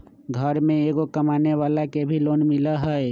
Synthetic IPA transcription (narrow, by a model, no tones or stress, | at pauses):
ɡʱəɾmẽeːɡokəmaːneʋaːlakebʱiloːnmɪlaɦɛe